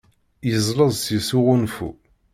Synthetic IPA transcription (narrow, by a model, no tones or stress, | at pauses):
jəzˤləzˤsisuʁunfṵ